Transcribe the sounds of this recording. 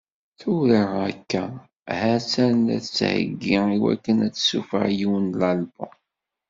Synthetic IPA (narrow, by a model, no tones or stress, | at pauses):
θuɾəʁækːæ | hæsænæ̰θət͡sːhə̰ɡːiiwæ̰kːənæt͡sːsufə̰ʕjiwənlɑlbo